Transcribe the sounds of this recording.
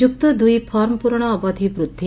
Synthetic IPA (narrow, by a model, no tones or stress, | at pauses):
uk̚t̪ɔd̪ujpʰɔɾmpuɾɳ̃ɔːbɔd̪ʱibɾut̪ːi